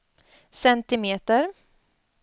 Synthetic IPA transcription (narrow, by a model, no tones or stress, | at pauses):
sɛnt̪ɪmeːt̪əɾ